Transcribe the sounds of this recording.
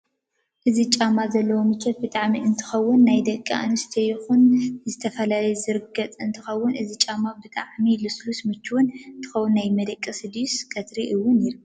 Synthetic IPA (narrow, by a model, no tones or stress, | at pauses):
ʔɨzit͡ʃʼamazɐlːɐwomɨt͡ʃʰːɐt̪̚bɨt̪ʼaʕmiɨnt̪ʰɨ̥xɐwːʊnːajd̪ɐkʼːia̰nɨst̪ʰɐjɪxunzɨt̪ʰɐfɐlalɐjzɨɾɨɡɐt͡sʼɨnt̪ʰɨxɐwːʊnʔɨzit͡ʃʼamabɨt̪ʼaʕmilɨslusmɨt͡ʃːuwʊnɨnt̪ʰɨ̥xɐwːunːajmɐd̪ɐkʼːisɨd̪ijuskʰʼɐt̪ʰɾiʔɨwːʊniɾu